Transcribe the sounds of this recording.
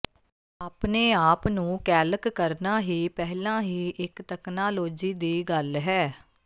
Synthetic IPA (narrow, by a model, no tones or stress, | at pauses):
aːpneːaːpnũːkɛːləkːəɾnaːɦiːpɛɦlãːɦiːʔɪkt̪ɛːknaːloːd͡ʒiːd̪iːɡəlɦɛː